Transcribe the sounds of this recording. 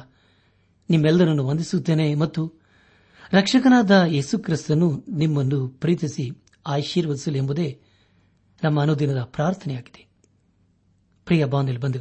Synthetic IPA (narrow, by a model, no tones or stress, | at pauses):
nimːɛlːd̪ɐɾɐnːuʋond̪isut̪ːeːnemɐt̪ːu | ɾɐkʂɐkɐnaːd̪ɐje̞ːsukɾist̪ɐnunimːɐnːupɾiːt̪isi | aːjʃiːɾʋɐd̪isɐluembud̪e̞ː | nɐmːɐːnud̪inɐd̪ɐpɾaːɾt̪ʰɐnɛjaːɡid̪̥e̥ | pɾijɐbaːnd̪elːibɐnd̪i